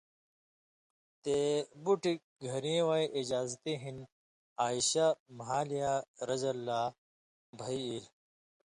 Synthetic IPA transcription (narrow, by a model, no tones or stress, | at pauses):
t̪ebuʈik̚ | ɡʱɐɾẽwajʔid͡ʑaːzt̪eɦin | aːiɕamɦaːlijaɾɐzɐlːaː | bʱɐiil